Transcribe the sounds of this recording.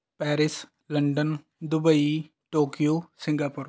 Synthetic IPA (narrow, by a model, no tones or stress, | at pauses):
pɛːɾɪs | lɐ̃ɳɖən | d̪ʊbəi | ʈoːkijoːsɪ̃ŋɡaːpʊɾ